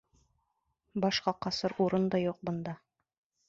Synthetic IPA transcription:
bɑʃqɑqɑsɤɾuɾɤnd̪ɑjuq̚bɤ̆nd̪ɑ

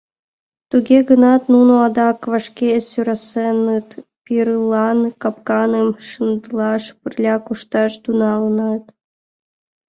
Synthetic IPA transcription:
t̪uɡʲeɡənɑt̪nunoɑd̪ɑkvɑʃkʲesʲyɾɑsenːɨt̪pʲiɾɯlˠɑnkɑpkɑnɯmʃɯnd̪lˠɑʃpurʲlʲɑkuʃt̪ɑʃd̪unɑlˠɤnɑt̪

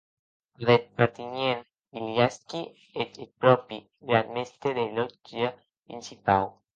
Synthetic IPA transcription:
ðet̪paɾt̪iɲen | iljaski | et̪et̪̚pɾɔpi | ɡɾad̪mest̪eðelɔd͡ʒa | pɾḭnsipaw

